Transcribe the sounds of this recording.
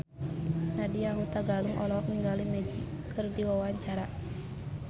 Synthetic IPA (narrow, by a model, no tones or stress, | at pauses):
nadiaɦut̪aɡaluŋʔɔlɔkniŋɡalimɛd͡ʒi | kɨrdiwawaɲt͡ʃaɾa